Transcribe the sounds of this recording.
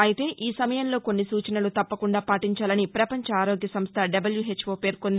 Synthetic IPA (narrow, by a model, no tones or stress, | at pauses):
ɐjit̪e̞ːʔiːsɐmɐjɐmlo̞ːko̞nːisuːt͡ʃɐnɐlut̪ɐpːɐkuɳɖaːpaːʈiɲt͡ʃaːlɐnipɾɐpɐɲt͡ʃɐaːɾo̞ːɡjɐsɐmst̪ʰɐɖɐbɐljuɦe̞t͡ʃːfoːpe̞ːɾkond̪i